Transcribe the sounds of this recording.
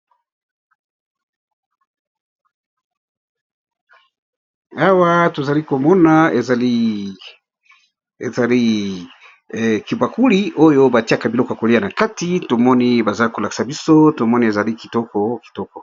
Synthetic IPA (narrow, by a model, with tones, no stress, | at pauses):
a˦wa˦to˨za˨li˦ko˨mɔ˦na˨e˨za˨li˦ | ḛ˨za˨li˦ | ki˨ba˨ku˦li˦ʔo˦jo˦ba˨ti˦a˨ka˨bi˨lɔ˦ka˨ko˨li˦a˦na˨ka˦ti˦to˨mɔ˦ni˦ba˨za˦li˦ko˨la˨ki̥˦sa˨bi˦so˦to˨mɔ˦ni˨e˨za˨li˦ki˨tɔ˦kɔ˨ki̥˨tɔ˦kɔ˨